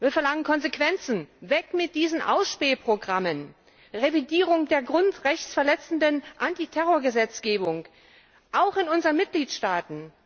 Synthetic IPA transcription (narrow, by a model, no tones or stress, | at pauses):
viːɐfɛɐlaŋənkʰɔnzekv̥ɛnt͡sn̩vɛkmɪt̚d̥iːzn̩ʔa̰ʊsʃpeːpʁ̥oɡʁamən | ʁevidiːʁ̞ʊŋdeːɐɡʁʊntʁɛçt͡sfɛɐlɛt͡sn̩dənʔantitʰɛʁ̞oːɐɡəzɛt͡sɡ̥eːbʊŋ | ʔaʊxɪnʊnzəʁənmɪt̚ɡ̥liːtʃtaːtn̩